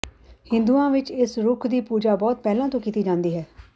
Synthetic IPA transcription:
hɪ̃nd̪uːãːʋɪt͡ʃɪsɾʊkʰd̪iːpuːd͡ʒaːbɔːt̪̚pɛːlãːt̪õːkiːt̪iːd͡ʒãːnd̪iːɦɛː

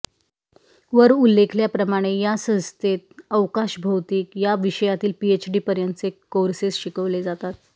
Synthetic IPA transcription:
ʋəɾulːekʰljapɾəmaɽ̃ejasə̃ñst̪et̪̚əʋkaʃɕbʱəwt̪iːkjaʋiɕəjat̪iːlpiet͡ɕɖiːpəɾjənt̪ət͡sekːoɾsesɕikəʋled͡zat̪at̪̚

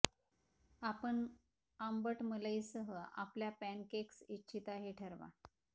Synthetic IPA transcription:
apəɳ | ambəʈmələjsəɦəa̰pljapænkeksitːɕʰit̪aɦeʈʰəɾʋa̰

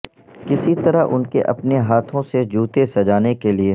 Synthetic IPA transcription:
kɪsit̪ɐɾaɦʔʊ̰nkeʔɐ̰pneɦaːt̪ʰõsed͡ʒʱuːt̪esɐd͡ʒaːnekelie

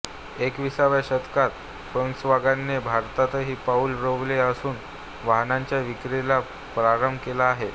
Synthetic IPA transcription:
ekʋisaʋjaɕət̪kat̪ | fəŋksʋaɡanːebʱaɾt̪at̪əɦiːpaulɾoʋleəsuːn | ʋaɦnãɲt͡ɕjaʋikɾela | pɾaɾəmbʱkelaːɦe

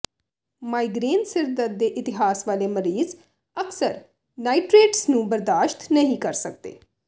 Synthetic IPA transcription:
maːiɡɾeːnsɪɾd̪əd̪eːʔɪt̪ɪɦaːsʋaːleːməɾiːz | əksəɾ | naːiʈɾeːʈsnũːbəɾd̪aːʃt̪nəɦĩkəɾsək̚d̪ḛː

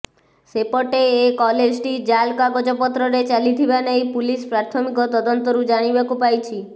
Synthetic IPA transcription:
sepɔʈeːkɔled͡ʒʈid͡ʒalkaɡɔd͡ʒɔpɔt̪ɾɔɾet͡ʃalit̪ʰibanejpulispɾaɾt̪ʰɔmikɔt̪ɔd̪ɔnt̪ɔɾud͡ʒaɽ̃ibakupajt͡ʃʰi

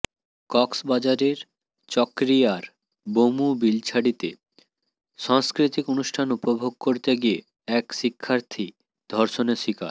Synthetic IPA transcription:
kɔksbad͡ʑaɾeɾ | t͡ɕɔkɾiaɾ | bomubilt͡ɕʰaɽit̪ḛ | ʃaŋskɾit̪ikonuʃʈʰanupobʱoɡ̚koɾt̪eɡie | ɛkʃikʰːaɾt̪ʰi | d̪ʱɔɾʃoneʃika̰ɾ

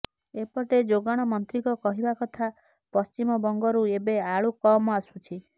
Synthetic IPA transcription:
epɔʈed͡ʒoɡaɽ̃ɔmɔnt̪ɾikɔkɔɦibakɔt̪ʰa | pɔst͡ʃimɔbɔŋɡɔɾuebeaɭukɔmɔasut͡ʃʰi

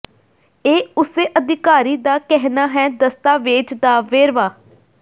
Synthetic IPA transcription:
eːʊseːʔəd̪ɪkaːɾiːd̪aːkɛɦnaːɦɛːd̪əst̪aːʋeːt͡ʃd̪aːʋeːɾʋaː

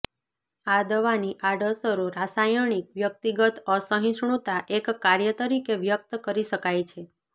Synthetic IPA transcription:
ad̪əʋaniʔaɖəsəɾuɾasajəɳ̃ikʋjək̚t̪iɡət̪əsəɦĩʃɳut̪aʔekːaɾjət̪əɾikeʋjək̚t̪kəɾiʃəkajt͡ʃʰe

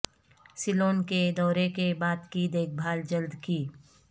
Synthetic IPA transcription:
sɪloːnked̪ɔːɾekebaːt̪kiːd̪eːk̚bʱaːld͡ʒəld̪kiː

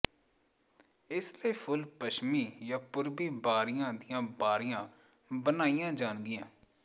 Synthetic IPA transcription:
ɪsleːpʰʊlpəʃmiːjaːpʊɾbiːbaːɾɪjãːd̪ijãːbaːɾɪjãː | bənaːijãːd͡ʒaːnɡɪjãː

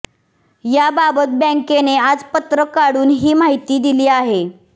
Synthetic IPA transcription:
jababət̪̚bɛ̃ŋkenead͡zpət̪ɾəkaɽuːnɦiːmaɦit̪iːd̪iliːaɦe

